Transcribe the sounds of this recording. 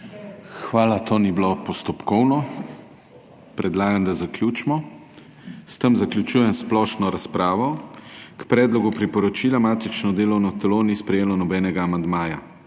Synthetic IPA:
xʋaːlat̪oːniblopɔst̪ɔpkɔwnɔ | pɾɛd̪laːɡamd̪azakljuːt͡ʃmɔ | st̪əmzaklʲjut͡ʃuːjɛmsplɔːʃnɔɾaspɾaːʋɔkpɾɛːd̪lɔɡupɾipɔɾɔt͡ʃiːlamaːt̪it͡ʃnɔd̪eːlɔwnɔt̪ɛlonispɾɛjeːlɔnɔbɛːnɛɡaːmand̪maːja

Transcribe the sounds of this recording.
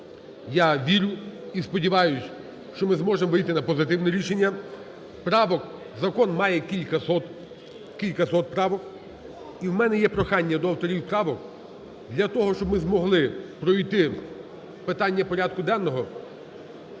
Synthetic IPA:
jaʋʲiɾʲʊispɔdʲiʋɑjʊsʲ | ʃt͡ʃɔmɪzmɔʒemɔʋɪjt̪ɪnɐpɔzɪt̪ɪwnɛɾʲiʃenʲːɐ | pɾɑʋɔk | zɐkɔnmɑjɛkʲilʲkɐsɔt̪ | kʲilʲkɐsɔt̪̚pɾɑʋɔk | iwmɛnɛjɛpɾɔxɑnʲːɐd̪ɔɐwt̪ɔɾʲiwpɾɑʋɔk | d̪lʲɐt̪ɔɦɔʃt͡ʃɔbmɪzmɔɦlˠɪpɾɔijt̪ɪ | pɪt̪ɑnʲːɐpɔɾʲad̪̚kʊd̪ɛnːɔɦɔ

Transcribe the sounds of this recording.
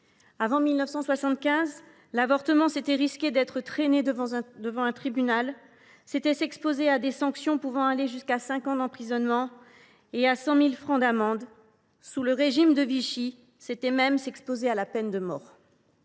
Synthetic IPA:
avɑ̃milnəfsɑ̃swasɑ̃t̪̚kʲɛ̃z | lavɔʁt̪əmɑ̃set̪ɛʁiskʲed̪ɛt̪χət̪χened̪əvɑ̃ɛ̃t̪χibynal | set̪ɛsɛkspozead̪esɑ̃ksjɔ̃puvɑ̃aleʒyskasɛ̃kɑ̃d̪ɑ̃pχizɔnmɑ̃ | easɑ̃milfχɑ̃d̪amɑ̃d̪ | suləʁeʒimd̪əviʃi | set̪ɛmɛmsɛkspozealapɛnd̪əmɔːʁ

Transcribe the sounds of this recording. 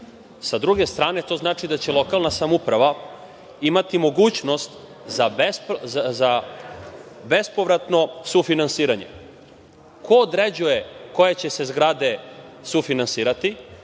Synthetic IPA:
sad̪ɾuɡe̞st̪ɾaːne̞t̪o̞znaːt͡ʂid̪at͡ɕe̞lˠo̞kalˠnasamupɾaʋa | imat̪imo̞ɡuːt͡ɕno̞st̪ | zabesza | be̞spo̞ʋɾat̪no̞sufinansiːɾaɲe̞̰ | kʰo̞ːd̪ɾe̞d͡ʑuje̞ko̞jet͡ɕe̞se̞zɡɾad̪e̞sufinansiːɾat̪i

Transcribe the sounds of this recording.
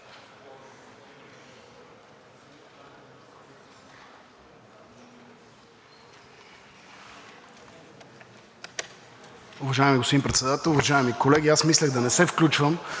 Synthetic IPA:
ʊvɐʒaɛmiɡospod̪impɾɛt̪sɛd̪at̪ɛlˠʊvɐʒaɛmikolɛɡʲiasmislʲəɣd̪ɐnɛsɛfklʲut͡ʃvəm

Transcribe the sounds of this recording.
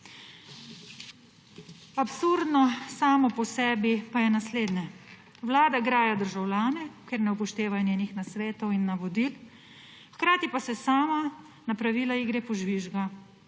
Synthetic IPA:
apsuɾd̪nɔsaːmɔpɔsɛːbipajɛnasleːd̪nɛ | wlaːd̪aɡɾaːjad̪əɾʒawlʲjaːnɛkeɾnɛupɔʃt̪eːʋanjeːnixnasʋeːt̪ɔwinːaʋɔd̪il | xkɾaːt̪ipasɛsaːma | napɾaʋiːlaiɡɾɛpɔʒʋiʒɡa

